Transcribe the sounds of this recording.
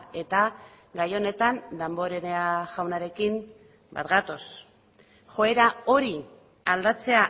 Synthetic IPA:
e̞t̪a | ɡajo̞ne̞t̪and̪ambo̞ɾeneaʝawnaɾe̞kim | ba̰t̪ɣat̪o̞s | xo̞e̞ɾao̞ɾi | ald̪at͡se̞a

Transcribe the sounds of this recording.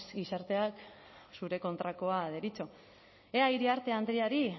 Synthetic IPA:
sɡisaɾt̪e̞ak | suɾe̞ko̞nt̪ɾako̞aðeɾit͡so̞ | eajɾiaɾt̪e̞and̪ɾiaɾi

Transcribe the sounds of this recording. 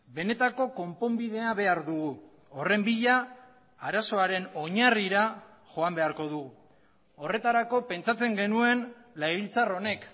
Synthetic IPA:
be̞ne̞t̪ako̞ko̞mpo̞mbiðe̞aβe̞aɾðuɣu | ore̞mbiʎa | aɾaso̞aɾe̞no̞ɲariɾa | ʝo̞ambe̞aɾko̞ð̞uɣu | o̞re̞t̪aɾako̞pe̞nt͡sat͡se̞ŋɡe̞nue̞n | lajβilt͡saro̞ne̞k

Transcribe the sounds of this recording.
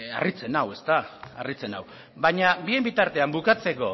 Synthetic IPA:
a̰rit͡se̞nawe̞st̪aa̰rit͡se̞na̰w | baɲabie̞mbit̪aɾt̪e̞ambukat͡se̞ko̞

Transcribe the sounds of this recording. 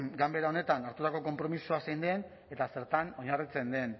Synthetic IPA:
ɡambe̞ɾao̞ne̞t̪anaɾt̪ut̪ako̞ko̞mpɾo̞misoasejnd̪e̞n | e̞t̪ase̞ɾt̪ano̞ɲarit͡se̞nd̪e̞n

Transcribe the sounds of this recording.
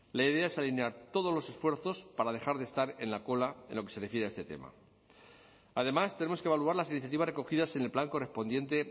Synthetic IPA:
laið̞e̞ae̞salineaɾt̪o̞ð̞ozlo̞se̞sfwe̞ɾθo̞spaɾaðe̞xaɾðest̪aɾe̞̰nlako̞lae̞̰nlo̞ke̞se̞refje̞ɾeae̞st̪e̞t̪e̞̰ma̰ | aðe̞mast̪e̞nemoke̞βaluaɾlasiniθjat̪iβareko̞xiðase̞ne̞lplaŋko̞re̞spo̞nd̪je̞nt̪e̞

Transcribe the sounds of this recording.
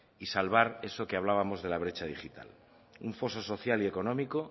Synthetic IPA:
isalβ̞aɾeso̞keaβ̞laβamo̞zðe̞laβ̞ɾe̞t͡ʃað̞ixit̪a̰l | uɱfo̞so̞so̞θjalie̞ko̞nõ̞miko̞

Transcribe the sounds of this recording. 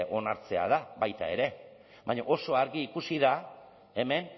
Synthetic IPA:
ʔo̞naɾt͡se̞a̰ð̞aβajt̪ae̞ɾe̞ | baɲo̰ʔo̞so̞aɾɣiːkusiða | e̞me̞n

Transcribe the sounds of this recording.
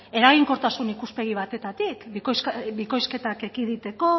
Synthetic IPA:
e̞ɾaɣ̞iŋko̞ɾt̪asunikuspe̞ɣ̞iβ̞at̪e̞t̪at̪ikkosbiko̞jske̞t̪ake̞kiðit̪e̞ko̞

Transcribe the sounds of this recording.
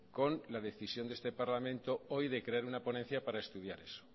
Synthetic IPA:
ko̞nlaðe̞θisjond̪e̞st̪e̞paɾlamẽ̞nt̪o̞ojðe̞kɾe̞aɾunapo̞nen̟θjapaɾaest̪uð̞jaɾe̞so̥

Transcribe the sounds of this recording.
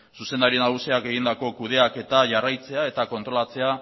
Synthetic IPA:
suse̞nd̪aɾinaɣusiake̞ɣind̪ako̞kuðe̞ake̞t̪aʝarajt͡se̞ae̞t̪ako̞nt̪ɾo̞lat͡se̞a

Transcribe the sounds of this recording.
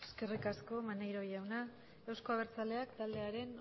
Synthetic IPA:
eske̞rikasko̞manejɾo̞jawna | ewsko̞aβ̞e̞ɾt͡sale̞akt̪ald̪e̞aɾe̞n

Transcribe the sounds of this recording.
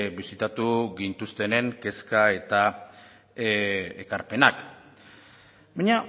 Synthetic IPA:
bisit̪at̪uɣint̪ust̪e̞ne̞ŋke̞skae̞t̪a | ekaɾpe̞nak | baɲa

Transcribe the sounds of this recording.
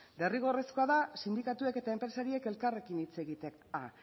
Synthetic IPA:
le̞riɣ̞o̞resko̞aðasind̪ikat̪ue̞ke̞t̪ae̞mpɾe̞saɾie̞ke̞lkare̞kinit͡se̞ɣit̪eka

